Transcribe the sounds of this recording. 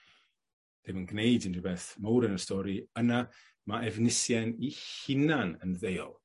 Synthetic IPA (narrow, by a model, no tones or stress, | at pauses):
d̥ɪmənɡnejdɪnrɪbɛθmowɾənəstɔɾiəna | maʔɛvnɪsjɛnihɪnanənðejɔ̰lˠ